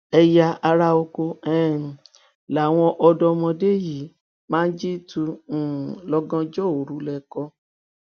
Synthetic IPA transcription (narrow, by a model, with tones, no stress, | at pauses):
ɛ˧ja˧a˧ɾa˧o˧ko˧ɛ˦˨ | la˨w̃ɔ̃˧ʔɔ˧dɔ˧mɔ̃˧de˦˨ji˨˦ | mãː˦d͡ʒi˦tũ˧˨ | lɔ˧ɡɔ̃˧d͡ʒɔ˦˨o˨ɾu˨˦lɛ˧kɔ˧